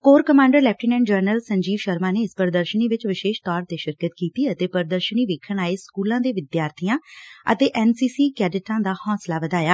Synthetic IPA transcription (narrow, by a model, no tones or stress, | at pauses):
koːɾkəmãːɳɖəɾlɛːp̚ʈɪnɛ̃ːɳd͡ʒəɾnəlsəɲd͡ʒiːʋʃəɾmaːneːɪspəɾd̪əɾʃəniːʋɪt͡ʃʋɪʃeːʃt̪ɔːɾt̪eːʃɪɾkət̪kiːt̪iːət̪eːpəɾd̪əɾʃəniːʋeːkʰːəɳaːeːskuːlãːd̪eːʋɪd̪jaːɾt̪ʰijãːə̰t̪eːʔɛːnsiːsiːkɛːɖɪʈãːd̪aːhɔ̃ːslaːʋəd̪aːjaː